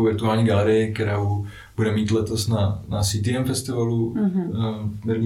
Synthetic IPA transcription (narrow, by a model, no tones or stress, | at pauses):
wvɪɾt̪uaːlɲiːɡalɛɾɪɪk̚t̪ɛɾaːu | b̥udɛmiːt̪lɛt̪osnanasit̪̬iɛmfɛst̪ɪvalu | nɛɾɲ